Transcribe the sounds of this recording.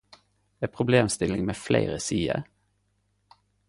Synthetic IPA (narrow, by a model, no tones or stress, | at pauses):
ɛpʰʁʊbleːmst̪ɪlɪŋmeːflæ̰ɪʁəsiːə̰